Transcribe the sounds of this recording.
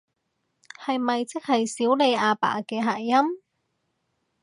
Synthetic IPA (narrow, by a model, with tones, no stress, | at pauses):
hɐ˨jmɐ˨jt͡sɪ˥k̚hɐ˨jsiː˨˥wle˨˧jaː˧pa̰ː˨˩kɛː˧ɦa̰ː˨˩jɐ˥m